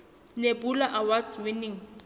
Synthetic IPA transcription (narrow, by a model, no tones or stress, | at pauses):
nebulaʔawat͡swɪniŋ̩